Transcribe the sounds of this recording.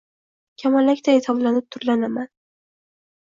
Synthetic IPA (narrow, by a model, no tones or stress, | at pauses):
kʲʰamalːakʲt̪aesɒblanɪp̚t̪ʰʊɾlanaman